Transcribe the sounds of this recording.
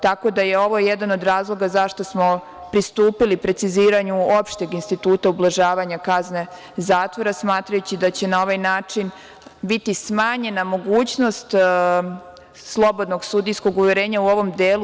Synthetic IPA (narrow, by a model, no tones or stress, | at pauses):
t̪ako̞d̪ajeo̞ʋo̞jed̪ano̞d̪ɾaːzlˠo̞ɡazaʃt̪o̞smo̞ | pɾist̪uːpilipɾe̞t̪siziːɾaɲuo̞pʃt̪e̞ɡinst̪it̪uːt̪aublˠaʒaːʋaɲakazne̞ | zaːt̪ʋo̞ɾasmaːt̪ɾajut͡ɕid̪at͡ɕe̞nao̞ʋajnaːt͡ʂin | bit̪ismaːɲe̞namo̞ɡuːt͡ɕno̞st̪ | slˠo̞bo̞d̪no̞ɡsud̪ijsko̞ɡuʋjeɾeːɲauo̞ʋo̞md̪eːlˠu